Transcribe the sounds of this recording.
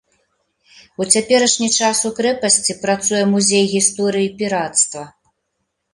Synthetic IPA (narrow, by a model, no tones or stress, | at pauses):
ut͡sʲapʲɛɾɐʂnʲit͡ʂasukɾɛpɐsʲt͡sʲipɾat̪sujɛmuzʲejɣʲist̪ɔɾɨjipʲiɾat̪st̪vɐ